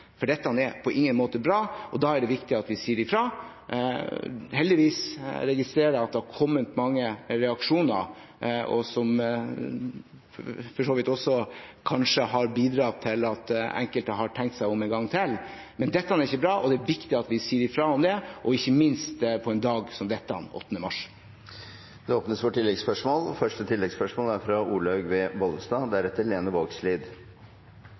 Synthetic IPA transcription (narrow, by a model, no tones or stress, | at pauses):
fɔɖɛt̪ːəɑnɛpʰɔʔɪŋːənmoːt̪əbɾɑːʔɔd̪ɑːæɖɛʋɪkt̪ɪɑt̪ʋɪsiːɾɪfɾɑː | hɛld̪ɪʋiːsɾɛɡɪst̪ɾeːɾəɑt̪̚d̪ɛhɑɾkʰɔmːət̪mɑŋːəɾɛɑkʂuːnə̰ɾɔ̰sɔm | fɔʂoːʋɪt̪ɔsːɔkʰɑnʂəhɑɾbiːd̪ɾɑːt̪ʰɪlɑt̪ɛ̰ŋkəlt̪əɦɑʈʰɛŋkt̪sæɪɔmɛnɡɑŋːt̪ʰɪl | mɛnd̪ɛt̪ːɑnæɾɪçːəbɾɑːʔɔd̪ɛæʋɪkt̪ɪɑt̪ʋɪsiːɾɪfɾɑːɔmd̪ɛʔɔɪçːəmɪnst̪pʰɔɛnd̪ɑːɡsɔmd̪ɛt̪ːɑ̰nɔ̰t̪ːənəmɑʂ | d̪ɛoːpnəsʋɔʈʰːɪlːɛɡspœʂmoːlfœʂʈət̪ʰɪlːɛɡspœʂmoːlæɾfɾɑʔuːlɑʉɡʋɛʋɔlsd̪ɑːd̪ɛæɾɛt̪ːəɾleːnəʋoːɡsliːd̪